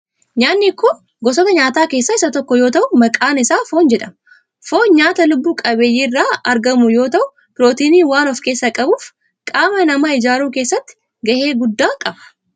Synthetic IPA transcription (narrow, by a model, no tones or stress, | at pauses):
ɲaːnːɪkːʊ | ɡɔsɔt̪ɐɲaːt̪aːke̞ːsːɐɪsɐt̪ɔkːɔjo̞ːt̪ɐʔʊmɐkʼaːnɪsaːfo̞ːnd͡ʒɛᶑɐm | foːɲaːt̪ɐlʊbːuːkʼɐbeːjːirːaːɐɾɡɐmʊjo̞ːt̪ɐʔʊ | pɪlo̞ːt̪iːniːwaːnɔfke̞ːsːɐkʼɐbuːf | kʼaːmɐnɐmɐɪd͡ʒaːɾuːke̞ːsːɐt̪ːɪ̥ | ɡɐhe̞ːɡʊd̪ːaːkʼɐbɐ